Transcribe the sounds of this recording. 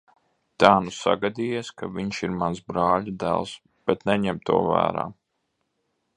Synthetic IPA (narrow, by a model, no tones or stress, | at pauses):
t̪aːnusa̰ɡad̪iːjɛskavʲiɲʃiɾmansbɾaːlʲud̪æ̰lˠs | b̥ɛt̪nɛɲɛmt̪ṵɔvæ̰ːɾa̰ː